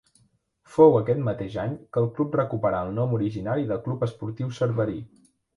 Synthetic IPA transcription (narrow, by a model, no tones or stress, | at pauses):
fowəkɛt̪mət̪eʒaɲkəlˠklup̚rəkupəɾaəlˠnɔmuɾiʒinaɾiðəlˠklupəspuɾt̪iwsəɾβəɾi